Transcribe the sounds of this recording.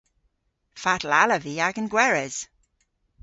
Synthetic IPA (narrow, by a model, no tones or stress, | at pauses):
fatlaləviaɡənɡwɛɹɛz̥